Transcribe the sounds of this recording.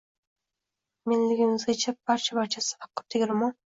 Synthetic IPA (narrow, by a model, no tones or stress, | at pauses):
me̞nlɪɡʲɪmɪzɡʲat͡ʃʰab̥aɾt͡ʃʰabaɾt͡ʃʰasɪ̥hɑqːɨ̥pt̪ʰeɡʲɾɪmɑn